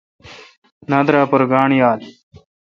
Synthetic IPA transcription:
nad̪ɾaːpɐɾɡaːɳjaːl

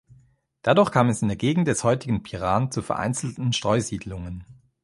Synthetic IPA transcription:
d̥adʊɐxkʰaːmɛsɪndeːɐɡeːɡŋ̩t̚d̥ɛshɔʏtɪɡn̩pʰiʁaːnt͡sufɛɐʔa̰ɪnt͡sl̩tn̩ʃtʁ̥ɔʏziːdlʊŋən

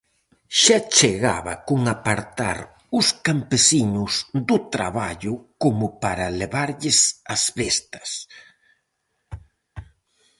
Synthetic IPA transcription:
ʃat͡ʃeɣa̰βɐ̰kʊŋapaɾt̪a̰ɾ | ʊskampesiɲʊzd̪ʊt̪ɾa̰βaʎʊkomʊpaɾɐleβaɾʎɪsazbest̪ɐ̥s

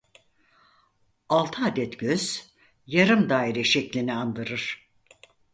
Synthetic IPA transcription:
alˠt̪ʰɯaːd̪ɛt̪ɟ̥øz̥ | jaɾɯmd̪aːiɾɛʃɛclʲiniand̪ɯɾɯɾ̥

